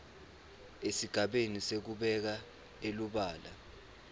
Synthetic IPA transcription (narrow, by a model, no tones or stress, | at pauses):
esiɡ̥ʱaɓenisek̬uɓɛk̬a | eluɓaːla̰